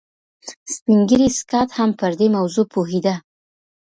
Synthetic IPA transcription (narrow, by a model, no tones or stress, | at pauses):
spiŋɡəɾiskɑt̪hampəɾd̪emawzopʰoɦid̪a